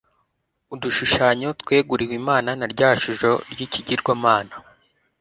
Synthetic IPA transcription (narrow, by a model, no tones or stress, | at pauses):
uduʃuʃaɲo̞tkwe̞ːɡuɾiwimaːnanaɾɟaːaʃuʒo̞ɾɟiciɟiɾɡwamaːna